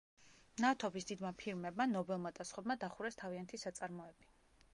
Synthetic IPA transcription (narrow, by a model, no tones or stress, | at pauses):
nat̪ʰɔbisd̪id̪mapʰiɾmɛbmanɔbɛlˠmad̪asχwɛbmad̪aχuɾɛst̪ʰaviant̪ʰisat̪sʼaɾmɔɛbi